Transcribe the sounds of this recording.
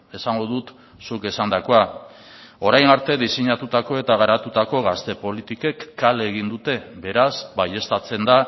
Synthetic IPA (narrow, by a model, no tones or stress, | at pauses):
e̞saŋɡo̞ðut̪ | suke̞sand̪ako̞a | o̞ɾajnaɾt̪e̞ðiseɲat̪ut̪ako̞e̞t̪aɣaɾat̪ut̪ako̞ɣast̪e̞po̞lit̪ike̞kːale̞ɣ̞ind̪ut̪e̞be̞ɾasbaje̞st̪at͡se̞nd̪a